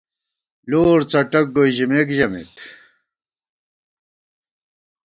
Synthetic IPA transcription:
loːɾt͡sɐʈɐk̚ɡoiʑimekʑɐmḭt̪

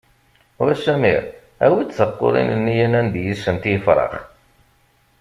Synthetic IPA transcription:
ʊɾæʃæmḭɾ | æ̰wit͡sːθəqːo̰ʊ̰ɾˤḭnənːijænænd̪jisənt̪jəfɾˤɑ̰χ

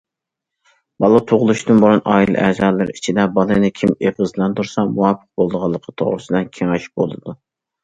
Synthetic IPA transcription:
bɑlˠɑt̪ʰoʁlˠuʃtd̪ɨnboɾunʔɑːilˠɨ̰ʔɛzɑːlˠːɨɾ̰it͡ʃʰid̪ɛbɑlˠɨnɨkʲʰimeʁɨzlˠɑnt̪uɾsɑmuwɑpʰə̥q̚bolˠd̪əʁɑlˠːəqʰːət̪ʰo̰ʁɾɨsɨd̪ɨnkʲʰeŋæʃi̥p̚bo̰lˠɨd̪u

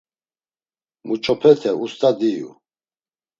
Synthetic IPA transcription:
mut͡ʃʼɔpʰɛt̪ʰɛust̪ʼad̪ijṵ

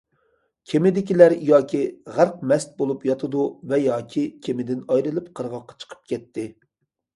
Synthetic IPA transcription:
kʲʰemɪd̪ɪkʲilæɾjɑːkʲʰiʁæɾq̚mɛst̪̚bolˠupjɑt̪ʰɨd̪uvɛjɑːkʲʰikʲʰemɪd̪ɪnɑjɾɨlˠɨpqʰəɾʁɑqːɑ̥t͡ʃʰə̥qʰə̥p̚kʲʰɛt̪ʰːɪ

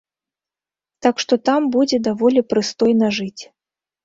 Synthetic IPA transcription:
t̪akʂt̪ɔt̪ambud͡zʲɛd̪avɔlʲɛpɾɨst̪ɔjnɐʐɨt͡sʲ

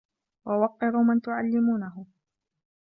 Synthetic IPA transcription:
wawɑqːɪɾuːmant̪ʊʕalːɪmuːnaɦʊ

